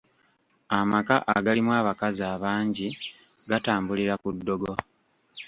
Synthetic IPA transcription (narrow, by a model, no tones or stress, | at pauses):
amaka̰ʔa̰ɡalimwaːβakazaːβaːɲɟiɡataːmbuliɾakudːo̞ɡo̞